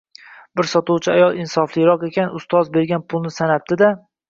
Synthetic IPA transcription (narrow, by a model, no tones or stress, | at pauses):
bɪɾsɒt̪uwt͡ʃʰɪajɒlˠɪnsɒflˠɪɾɒqe̞kʲanʊst̪ɒzbe̞ɾɡʲanpʰʊlˠnɪsanap̚t̪ɪd̪a